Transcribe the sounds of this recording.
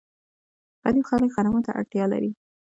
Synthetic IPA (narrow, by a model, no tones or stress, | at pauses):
pad̪ixɑləkɣanamot̪aʔa̰ʈjɑla̰ɾi